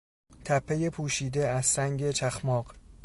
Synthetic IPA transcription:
t̪ʰæpʰːejepʰuːʃiːd̪eæzɾæŋɟe̞t͡ʃʰæxmɒːɢ

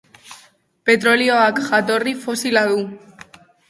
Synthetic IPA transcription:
pe̞t̪ɾo̞lio̞akʝat̪o̞rifo̞silaðu

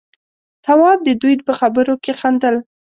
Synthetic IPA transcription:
t̪awɑb̚d̪əd̪ujd̪̚pəxabəɾokexand̪əl

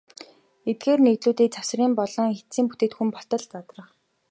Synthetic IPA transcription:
et̪̚ɡeːrneːt̪ɮuːt̪iːk̚t͡sawsriːmpɔɮɞ̆ŋxet͡siːmpu̥t̪eːt̪xumpɔɬt̪ɞ̆ɮt͡sat̪rə̆χ

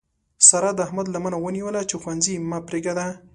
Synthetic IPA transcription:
saɾad̪əahmad̪lamanawəniwəlat͡ʃexwanzimɑpɾeɡad̪a

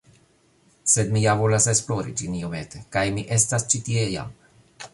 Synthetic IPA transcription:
sed̪mijavo̞lasesploɾḭd͡ʒiniomet̪ekajmiʔest̪ast͡ʃit̪ieja̰m

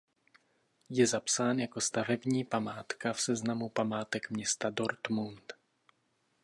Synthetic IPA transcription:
jɛzapsaːnjako̞st̪avɛbɲiːpamaːt̪kafsɛznamupamaːt̪ɛkmɲɛst̪adoɾt̪munt̪

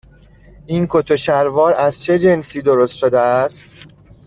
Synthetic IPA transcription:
ʔiːnkʰot̪ʰoʃæɾvɒːɾæzt͡ʃʰe̞d͡ʒe̞nsiːd̪oɾost̪ʃod̪eæst̪

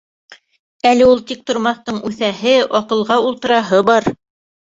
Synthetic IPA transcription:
ælɘulˠt̪ik̚t̪ŏɾmɑθt̪ɤɴʉθæhɘɑqɤ̆lˠʁɑulˠt̪ɤ̆ɾɑɦɤbɑɾ

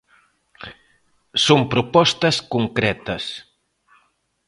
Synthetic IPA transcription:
soŋpɾopɔst̪ɐskuŋkɾɛt̪ɐs

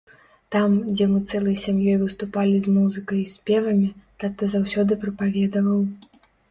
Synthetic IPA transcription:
t̪amd͡zʲɛmɨt̪sɛlˠɐjsʲamjɔjvɨst̪upalʲizmuzɨkɐjisʲpʲɛvɐmʲit̪at̪ɨzawsʲɔd̪ɨpɾɨpavʲɛd̪ɐvɐw

